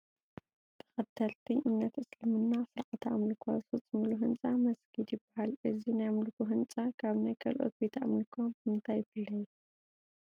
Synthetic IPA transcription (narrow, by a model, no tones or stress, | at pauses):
t̪ʰɐ̥xɐd̪ʰɐlt̪ʰɨɲʔɨmnɐt̪ʔɨslɨmɨnːasɨɾʔɐt̪ʰaʔamlɨkʰasut͡sʼɨmɨluɦɨnt͡sʼamɐsɡid̪jɪbːahalʔɨzinajamlɨkuɦɨnt͡sʼakʰaβnajkʰɐlʔo̞̰t̪̚bet̪ʰa̰mlɨkʰobɨmɨnt̪ʰajːɪfɨlːɐju